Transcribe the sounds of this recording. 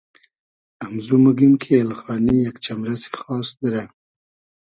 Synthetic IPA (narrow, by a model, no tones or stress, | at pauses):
amzumuɡimkʰeːlxɑnijakt͡ʃamɾase̥xɑːsd̪əɾa